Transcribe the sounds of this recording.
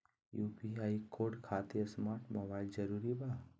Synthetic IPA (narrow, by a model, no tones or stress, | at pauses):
jupiaikʰoɖkʰat̪iəsmaːɾʈmobaild͡ʒəɾuɾiba